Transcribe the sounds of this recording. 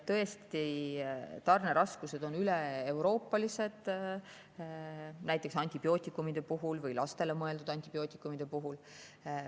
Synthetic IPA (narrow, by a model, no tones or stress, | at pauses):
t̪ɤ̞e̞st̪i | t̪ɑrne̞ɾɑskuse̞d̪̥o̞nyleːwɾo̞ːpːˑɑlise̞d̪̥ | næjt̪ːˑeksɑnʲt̪ʲib̥jo̞ːt̪ʲːˑikːˑumid̪̥e̞puɦulvɯjlɑst̪e̞le̞mɤe̞ld̪ud̪ɑnʲt̪ʲib̥jo̞ːt̪ʲːˑikːˑumid̪̥e̞puɦul